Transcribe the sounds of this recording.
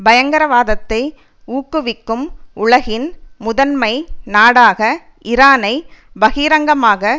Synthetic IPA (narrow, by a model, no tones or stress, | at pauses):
bɐjɐŋɡɐɾɐʋaːðɐt̪ːɐɪ | uːkːɯʋɪkːɯmʊɭɐɣɪnmʊðɐnmɐɪnaːɽaːɣɐ | ʔɪɾaːnɐɪbɐɣiːɾɐŋɡɐmaːɣɐ